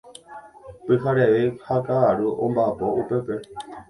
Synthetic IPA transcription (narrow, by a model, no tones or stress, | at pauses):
pɨkaɾeʋehakaaɾuʔombapoʔupepe